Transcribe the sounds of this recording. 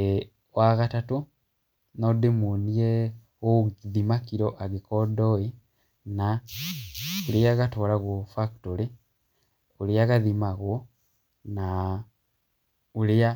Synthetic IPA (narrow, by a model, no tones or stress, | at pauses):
e | ɣwaɣatatu | nodimunije | okiðimakiɾoʔaɡikodoi | na | ulijaɣatoːlaɣwofaktoɾi | uliaɣaðimaɣwo | na | ulia